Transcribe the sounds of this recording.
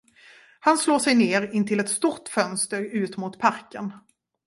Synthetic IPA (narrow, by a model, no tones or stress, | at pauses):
hansloːʂɛjneːɾɪnt̪ʰɪlɛt̪st̪ʊt̪fœnst̪əɾʉ̟ːt̪mʊt̪pʰaɾkən